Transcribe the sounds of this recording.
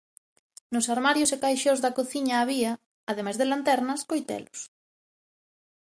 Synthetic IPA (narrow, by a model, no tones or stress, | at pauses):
nʊsaɾmaɾjʊsekajʃozðɐkoθiɲaːβiɐː | ðemajzðelant̪ɛɾnɐskojt̪ɛ̰lʊs